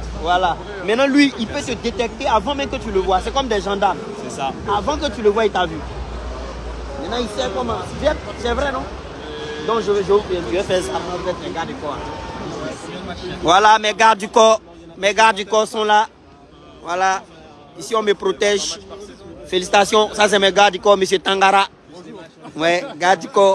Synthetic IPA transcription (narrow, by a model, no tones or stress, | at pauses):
vwala | mɛ̃nãlɥiilpøt̪əd̪et̪ɛk̚t̪eavãmɛ̃mkət̪yləvwasɛkɔmd̪ɛʒɑ̃d̪aʁm | sɛsaavãkət̪yləvwait̪avy | mɛ̃nãisɛkɔmãvɛt̪ | sɛvɾɛnɔ̃ | d̪ɔ̃kʒəʒəpɛ̃t̪yɛfɛsat̪ãsvɛt̪mɛ̃ɡaʁd̪ykɔa̰ | vwalamɛɡaʁd̪ikɔ | mɛɡaʁd̪ikɔsɔ̃la | wala | isiɔ̃mepɾot̪ɛʒ | felisi̥t̪asjɔ̃sas̬ɛmɛɡaʁd̪ikɔmes̬jet̪ãŋɡaɾa | wɛɡad̪ikɔ